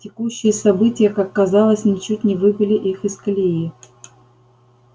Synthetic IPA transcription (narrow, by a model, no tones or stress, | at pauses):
tʲɪkuɕːɪjəsɐbɨtʲɪjəkakːɐzɑlˠəsʲnʲɪt͡ɕut̚ʲnʲɪvɨpʲɪlʲɪʔixɪsklʲei